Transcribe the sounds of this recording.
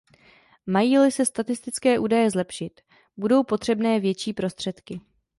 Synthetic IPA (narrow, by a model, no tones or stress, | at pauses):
majiːlɪsɛst̪at̪ɪst̪ɪt͡skɛːʔuːdajɛzlɛpʃɪt̪ | budo̞wpo̞t̪r̝̥ɛbnɛːvjɛt͡ʃiːpɾo̞st̪r̝̥ɛt̪kɪ